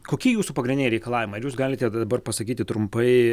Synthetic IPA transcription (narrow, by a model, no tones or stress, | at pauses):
koːkʲiːjuːsupɐɡɾʲɪnʲdʲɪnʲɛɪɾʲɛɪkɐlˠɑːʋɪmɐɪɪɾjuːsɡɑːlʲɪt̪ʲɛd̪d̪ɐbɐrpɐsɐkʲiːt̪ʲɪt̪ɾʊmpɐɪ